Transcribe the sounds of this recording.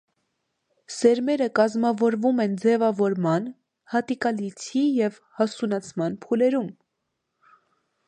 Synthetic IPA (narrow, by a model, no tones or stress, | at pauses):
sɛɾmɛɾəkɑzmɑvɔɾvumɛnd͡zɛvɑvɔɾmɑn | hɑt̪ikɑlit͡sʰijɛv | hɑsunɑt͡sʰmɑnpʰulɛɾum